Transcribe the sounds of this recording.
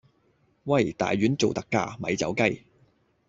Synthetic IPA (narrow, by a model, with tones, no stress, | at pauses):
wɐ˥˨jt̪a̰ː˨jɥyː˨˥nt͡so˨wt̪ɐ˨kːa̰ː˧mɐ̰˨˥jt͡sɐ̰˨˥wkɐ˥j